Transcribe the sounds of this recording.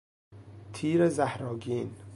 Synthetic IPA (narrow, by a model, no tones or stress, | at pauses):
t̪ʰiːɾezæhɾɒːɡiːn